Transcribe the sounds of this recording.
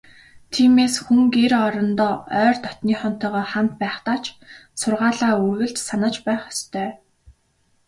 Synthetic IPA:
t̪ʰiːmeːsxuŋkeɾɔɾɞ̆nt̪ɔːœːrt̪ɔt̪niːχɔn̥t̪ɔːʁɔːχam̥t̪̚pæːχt̪aːt͡ɕʰsʊrʁaːɮaːuɣɘ̆ɬt̪sanə̆t͡ɕpæːχɔ̥st̪ʰœː

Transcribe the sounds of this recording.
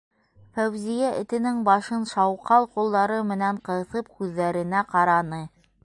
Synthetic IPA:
fæwzijæʔɘ̆t̪ɘ̆nɘŋbɑʃɤnʃɑwqɑlˠqulˠd̪ɑɾɤmɘ̆næɴqɤ̆θɤp̚kʉðːæɾɘ̆næqɑɾɑnɤ

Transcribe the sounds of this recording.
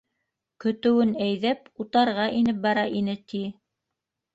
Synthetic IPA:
kɵ̆t̪ɘ̆wɘnæjðæput̪ɑɾʁɑʔinɘp̚bɑɾɑʔinɘt̪i

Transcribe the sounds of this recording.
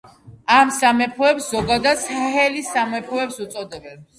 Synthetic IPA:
amsamɛpʰuɛpszɔɡad̪ad̪sahɛlisamɛpʰuɛpsut̪sʼɔd̪ɛbɛps

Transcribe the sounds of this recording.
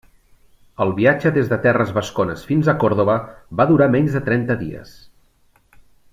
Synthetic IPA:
əlˠβiad͡ʒəðezðət̪ɛrəzβəskonəsfinzəkɔɾð̞oβəβaðuɾamɛɲzðət̪ɾɛnt̪əðḭə̰s

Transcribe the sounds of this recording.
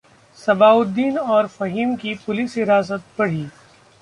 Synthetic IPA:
sɐbaːʊd̪ːiːnɔːɾfɐɦiːmkipʊlɪsɦɪɾaːs̬ət̪̚bɐɽ̤iː

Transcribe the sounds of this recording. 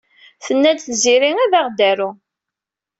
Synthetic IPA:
θənːæd̪θziɾiæðaʁd̪æɾu

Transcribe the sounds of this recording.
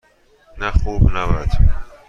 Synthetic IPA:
næxuːbnæbæd̪̥

